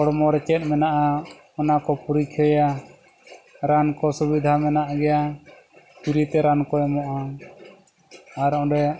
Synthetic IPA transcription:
ɔɽmɔɾɛt͡ʃɛt̪̚ˀmɛnaʔa | ɔnakɔpuɾikʰjɔja | ɾankɔsubid̪ʱamɛnaʔɡɛja | piɾit̪ɛɾankɔɛmɔʔa | aɾɔ̃ɖɛ

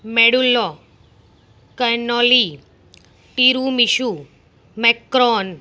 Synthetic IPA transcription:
meɽulːɔ | kənɔli | ʈiɾumiʃu | mɛkɾɔn

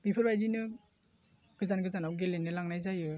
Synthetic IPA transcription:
bipʰɔɾbajdinɯ | ɡ̥ɯzanɡɯzanawɡelenɯlaŋnajzajɯ

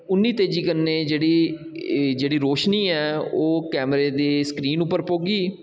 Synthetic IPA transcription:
ʊnːiːt̪eːd͡ʒiːkənːeːd͡ʒeːɽiː | d͡ʒeːɽiːɾoːʃniːɛːoːkɛːmɾeːd̪eːsə̥kɾiːnʊpːəɾpoːɡiː

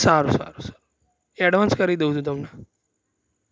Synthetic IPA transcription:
saɾusa̰ɾusḁɾu | ɛɖʋãnskəɾid̪eũd͡ʒũt̪əmna

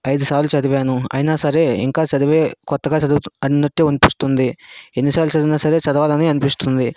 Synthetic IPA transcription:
ɐjd̪usaːlut͡ʃɐd̪iʋaːnuɐ̰jinaːsɐɾe̞ːḭŋkaːt͡ʃɐd̪ɐʋeːkɔt̪ːɐɡaːt͡ʃɐd̪uɐninːoʈːeunipist̪und̪ienːisaːlut͡ʃɐd̪inɐsɐɾe̞ːt͡ʃɐd̪ɐʋaːlɐneːɐnipist̪und̪i

